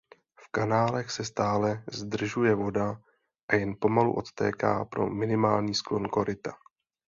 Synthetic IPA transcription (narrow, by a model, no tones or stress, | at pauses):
fkanaːlɛxsɛst̪aːlɛzd̪r̩ʒujɛvo̞da | ʔajɛnpo̞malṵʔo̞t̪t̪ɛ̰ːka̰ːpɾo̞̰mɪnɪmaːlɲiːsklo̞nko̞ɾɪt̪ḁ